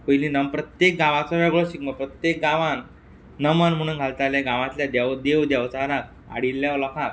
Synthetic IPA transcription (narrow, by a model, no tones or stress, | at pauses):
pəjlĩnəmpɾət̪jek̚ɡaʋat͡sɔʋɛɡɭɔɕikməpɾət̪jek̚ɡaʋanː | əmanm̤əɽ̃ũnɡʱalt̪aleɡãʋãt̪ljad̪ɛwd̪eʋd̪jɛʋt͡saɾak̚ | a̰ɽilːjaʋlɔkʰãk